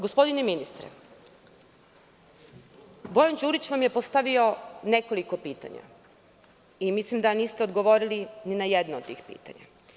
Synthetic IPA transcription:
ɡospo̞d̪ineminist̪ɾḛ | bo̞land͡ʑuːɾit͡ɕʋamje̞po̞st̪aʋio̞ne̞ko̞liko̞piːt̪a̰ɲa̰ | imislimd̪aniːst̪eod̪ɡo̞ʋo̞ɾilininajed̪noot̪t̪ːḭːxpḭːt̪a̰ɲa̰

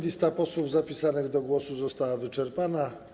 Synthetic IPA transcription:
lʲist̪apɔswuvzapʲisanɘɣd̪ɔɡwɔsuzɔst̪awavɘt͡ʂɛɾpana

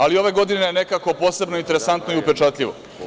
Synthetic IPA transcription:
alio̞ʋeɡo̞d̪inene̞kako̞po̞ːse̞bnoint̪eɾe̞sant̪no̞iupet͡ʃat̪ʎʲiʋo̰

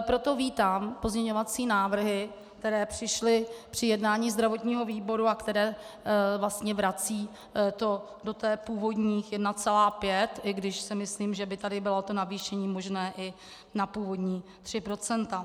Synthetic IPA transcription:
pɾo̞t̪o̞viːt̪aːmpo̞zɲɛɲo̞vat͡siːnaːvr̩ɦɪ | k̚t̪ɛɾɛːpr̥ɪʃlɪpr̝̥ɪjɛdnaːɲiːzd̪ɾavo̞t̪ɲiːɦo̞viːbo̞ɾuakt̪ɛɾɛːvlast̪ɲɛvɾat͡siː | t̪o̞ | do̞t̪ɛːpuːvo̞dɲiːxjɛdnat͡sɛlaːpjɛt̪ʔɪɡdɪʃsɪmɪsliːmʒɛbɪt̪adɪbɪlot̪o̞naviːʃɛɲiːmo̞ʒnɛːʔɪ | napuːvo̞dɲiːt̪r̥ɪpɾo̞t͡sɛnt̪a

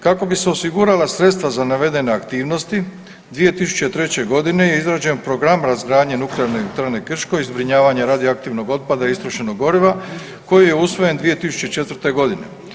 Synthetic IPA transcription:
kako̞biseo̞siɡuɾalasɾet̪st̪ʋazanaʋe̞d̪e̞ne̞akt̪iːʋno̞st̪i | d̪ʋije̞t̪isu̥t͡ɕet̪ɾe̞t͡ɕe̞ɡo̞d̪ine̞jeizɾaːd͡ʑe̞npɾo̞ɡɾamɾazɡɾaːd̪ɲenukleaɾnet̪ɾne̞kr̩ʃko̞izbɾiɲaːʋaɲeɾaːd̪ioak̚t̪iʋno̞ɡo̞t̪̚pad̪aiist̪ɾoʃenoɡo̞ɾiʋa | ko̞jijeusʋo̞je̞nd̪ʋije̞t̪isu̥t͡ɕe̞t͡ʃe̞t̪ʋr̩t̪eɡo̞d̪ine̞̰

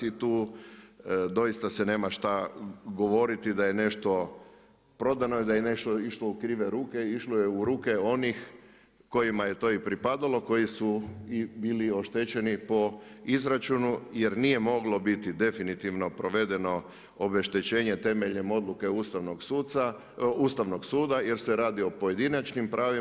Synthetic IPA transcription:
sit̪uː | d̪o̞jist̪asene̞ːmaʃt̪aɡo̞ʋo̞ɾit̪id̪aje̞ne̞ʃt̪o̞ | pɾo̞d̪ano̞id̪ajene̞ʃt̪oiʃloukɾiːʋeɾuːke̞iʃlojeuɾuːke̞o̞nix | ko̞jimaje̞t̪o̞ipɾipad̪alo̞ko̞jisuibiːlio̞ʃt̪et͡ʃe̞nipo̞izɾat͡ʃunuje̞ɾnije̞mo̞ɡlo̞bit̪id̪e̞finit̪iʋno̞pɾo̞ʋe̞d̪e̞no̞ | obe̞ʃt̪e̞t͡ɕe̞ːɲe̞t̪e̞meʎɲemo̞d̪luke̞ust̪aʋnoɡsuːsa | ust̪aʋno̞ɡsuːd̪aje̞ɾse̞ɾaːd̪io̞pojed̪inat͡ʃnimpɾaːʋi

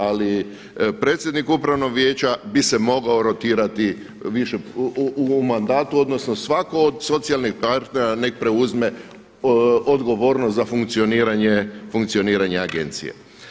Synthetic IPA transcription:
ali | pɾeːt̪sjed̪nikupɾaʋno̞ɡʋjeːt͡ɕabise̞mo̞ɡaoɾo̞t̪iːɾat̪i | ʋiʃeumand̪aːt̪uo̞d̪nosnosʋako̞ːd̪so̞t̪sialˠnixpaɾt̪neɾanek̚pɾe̞uzme̞ | od̪ɡo̞ʋo̞ːɾnost̪zafuŋkt̪sio̞niːɾaɲefuŋkt̪sioniːɾaɲeaɡe̞̰nt̪sḭjḛ

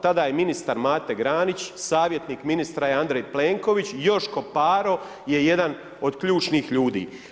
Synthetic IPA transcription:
t̪ad̪aːjeminist̪aɾmaːt̪e̞ɡɾaːnit͡ɕsaːʋjet̪niːkminist̪ɾajeand̪ɾejpleːŋkoʋit͡ɕjo̞ʃko̞paːɾo̞ | je̞je̞d̪an | o̞d̪kʎuːt͡ʃniːxʎuːd̪ḭː

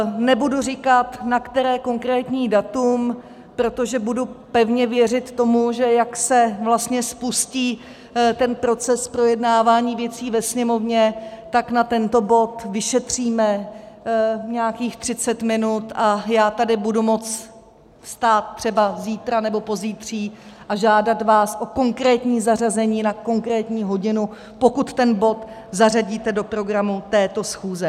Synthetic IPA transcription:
nɛbudurɪkat̪nakt̪ɛɾɛːko̞ŋkɾɛːt̪ɲiːdat̪um | pɾo̞t̪o̞ʒɛbudupɛvɲɛvjɛr̝ɪt̪ːo̞muʒɛjaksɛvlast̪ɲɛspusciː | t̪ɛnpɾo̞t͡sɛspɾo̞jɛdnaːvaːɲiːvjɛt͡siːvɛsɲɛmovɲɛt̪aknat̪ɛnt̪o̞bo̞t̪vɪʃɛt̪r̝̥iːmɛ | ɲɛjakiːxt̪r̥ɪt͡sɛt̪mɪnut̪ʔajaːt̪adɪbudumo̞t͡s | fst̪aːt̪̚t̪ːr̥ɛbaziːt̪ɾanɛbo̞po̞ziːt̪r̝̥iːʔaʒaːdat̪vaːsʔo̞ko̞ŋkɾɛːt̪ɲiːzarazɛɲiːnako̞ŋkɾɛːt̪ɲiːɦo̞ɟɪnu | po̞kut̪ːɛnbo̞t̪ | zaraɟiːt̪ɛdo̞pɾo̞ɡɾamut̪ɛːt̪o̞sxuːzɛ

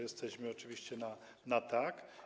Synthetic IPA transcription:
jɛst̪ɛʑmɘɔt͡ʂɨviɕt͡ɕɛna | nat̪ak

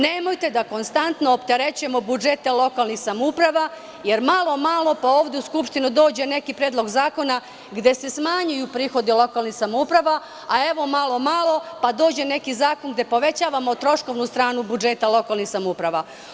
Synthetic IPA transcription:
ne̞mo̞jt̪e̞d̪ako̞nst̪ant̪noːpt̪eɾet͡ɕuje̞mo̞bud͡ʒe̞t̪alo̞kalnixsamoupɾaʋa | je̞ɾmalˠo̞malo̞pao̞ːʋd̪e̞uskupʃt̪inud̪o̞ːd͡ʑe̞ne̞kipɾeːd̪lˠo̞ɡzaːko̞na | ɡd̪e̞se̞smaɲujupɾiːxo̞d̪ilo̞kaːlˠnixsamoupɾaʋa | ae̞ʋo̞malˠo̞malˠo̞pad̪o̞ːd͡ʑe̞ne̞kizaːko̞nɡd̪e̞po̞ʋe̞t͡ɕaːʋamot̪ɾo̞ʃko̞ʋnust̪ɾaːnubud͡ʒe̞t̪alˠo̞kaːlˠnixsamoupɾaʋa

